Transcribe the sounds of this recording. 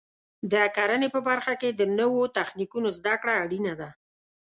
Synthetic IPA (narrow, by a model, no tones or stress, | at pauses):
d̪əakaɾənepəbaɾxaked̪ənəwot̪axnikunozd̪akɽaːɽinad̪a